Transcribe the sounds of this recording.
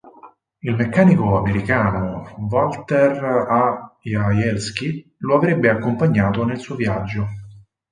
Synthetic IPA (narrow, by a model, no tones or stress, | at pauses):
ilmekːaːnikoameɾikaːnovalt̪erajajɛlsk̟iloavɾebːeakːompaɲːaːt̪onelsuːovjad͡ʒːo